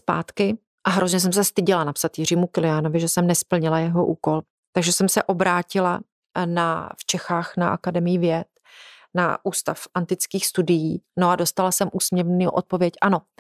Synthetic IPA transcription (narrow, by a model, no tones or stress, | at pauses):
spa̰ːt̪kɪ | ʔaɦɾozɲɛs̬ɛms̬ɛst̪ɪɟɪlanapsat̪jɪr̝iːmukɪlɪjano̞vɪʒɛsɛmnɛspl̩ɲɪlajɛɦo̞ʔuːko̞l | t̪aɡʒɛsɛmsɛʔo̞bɾaːcɪla | naft͡ʃɛxaːxnaʔa̰kadɛmɪjɪvjɛt̪ | na̰ʔuːst̪a̰fʔant̪ɪt͡skiːxst̪udɪjiːno̞ado̞st̪alasɛmʔuːsmɲɛvniʔo̰t̪̚po̞vjɛcʔano̞